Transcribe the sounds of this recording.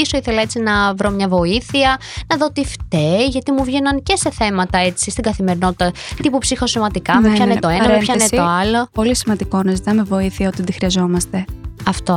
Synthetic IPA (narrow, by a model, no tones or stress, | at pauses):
iso̞iθe̞lɐet͡sinɐvɾomɲɐvo̞iθiɐnɐðo̞t̪ift̪eʝɐt̪imuvʝe̞nɐnce̞se̞θe̞mɐt̪ɐe̞t͡sist̪iɡɐθime̞ɾino̞t̪i̥t̪ɐt̪ipupsixo̞somɐd̪ikɐmeçɐnet̪o̞enɐmepçɐnet̪oɐlo̞po̞lisimɐnd̪iko̞nɐzit̪ɐmevo̞iθiɐot̪id̪ixɾiɐzo̞mɐst̪e̞ɐft̪o